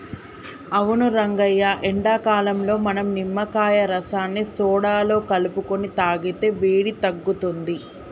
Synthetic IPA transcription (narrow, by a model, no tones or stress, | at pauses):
ɐʋunuɾɐŋɡɐjːaːʔɛɳɖaːkaːlɐmlo̞ːmɐnɐmnimːɐkaːjɐɾɐsaːnːisɔːɽaːlo̞ːkɐlupukonit̪aːɡit̪e̞ːʋeːɽit̪ɐɡːut̪und̪i